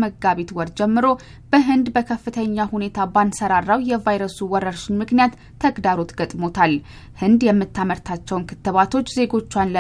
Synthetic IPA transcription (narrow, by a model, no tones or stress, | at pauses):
məɡaβet̪wɔɾd͡ʒɛmːɨɾo̞ | bəɦɨnd̪bəkʰəfːɨt̪ʰəɲːahune̞t̪ʰabansəɾarːawjɛvajɾəsuwɔɾəɾʃɪnmɨknijat̪ʰːəɡd̪aɾo̞t̪ɡət̪ʼmo̞t̪ʰal | hɨnd̪jɛmːɨt̪ʰːaməɾt̪ʰat͡ʃːɛwnkʰɨt̪ːɨβat̪ʰo̞t͡ʃːze̞ɡo̞t͡ʃːwanlə